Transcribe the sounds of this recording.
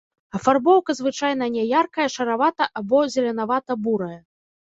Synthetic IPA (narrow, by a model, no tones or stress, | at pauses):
ɐfarbɔwkɐzvɨt͡ʂajn̪ɐnʲɛjarkɐjɐʂɐɾavat̪ɐʔabɔzʲɛlʲɛn̪avat̪ɐbuɾɐjɐ